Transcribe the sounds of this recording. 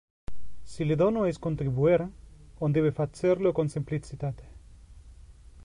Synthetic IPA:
sileðonoeskont̪ɾiβueɾond̪eβefat͡seɾlokonsimplit͡sit̪at̪

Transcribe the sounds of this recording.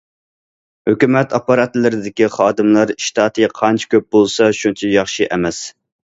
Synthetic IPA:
høkʲymɛt̪ɑpɑɾɑt̪lɪɾɪd̪ɪkʲiχɑːd̪ɨmlˠɑɾʃt̪ʰɑːt̪ʰɨqʰɑnt͡ʃʰi̥kʲøp̚bolˠsɑʃunt͡ʃʰɛjɑχʃiʔɛmɛs

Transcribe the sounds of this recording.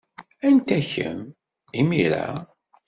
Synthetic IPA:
ænt̪æçə̰m | imiɾa̰

